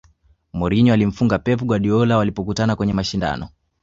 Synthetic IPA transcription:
mɔɾiɲɔalim̩fuŋɡapɛp̬uɡwaɗiɔlawalipɔk̬utanakwɛɲɛmaʃinda̰nɔ

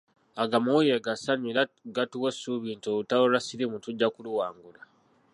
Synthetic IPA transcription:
aɡamujeɡasaɲilaɡatuwesuβiːntoutawolasilimutuɟːakuluwaːŋɡula

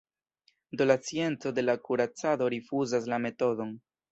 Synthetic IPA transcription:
d̪olat͡sie̞nt͡so̞de̞lakuɾat͡sado̞ɾifuzas̬lame̞to̞do̞n

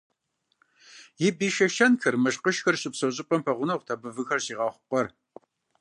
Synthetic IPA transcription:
jɪbiːʃɐʃɐnxɐrmɐʃqəʃxɐrɕɪpsɐɕʼɪpʼɐmpʰɐʁʷʊnɐʁtʰɐbɨvɨxɐrɕiːʁɑːχʷʊqʷʼɐr

